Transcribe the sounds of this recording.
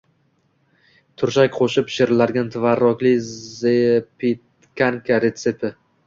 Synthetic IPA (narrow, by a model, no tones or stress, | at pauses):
t̪ʰʊɾʃakʲqʰoʃɪpʃɪɾlaɾɡʲant̪ʰɪvaɾːɒkʲlɪzepʰit̪ | kʰʲaŋkʲʰaɾet̪sepɪ